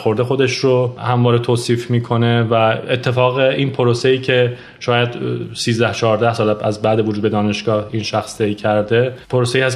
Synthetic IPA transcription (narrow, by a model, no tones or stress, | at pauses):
xo̞ɾd̪exo̞d̪e̞ʃɾohæmvɒːɾet̪ʰoːsiːfmiːkʰo̞ne̞væet̪ʰːe̞fɒːɣeiːnpʰoɾosejiːcʰe̞ | ʃɒːjæd̪siːzd̪æht͡ʃʰɒːɾd̪æhsɒːlææzbæːd̪evod͡ʒuːd̪beɒːne̞ʃɡ̥ɒːhiːnʃæxst̪ʰejcʰæɾd̪e̞pʰoɾose̞iːhæs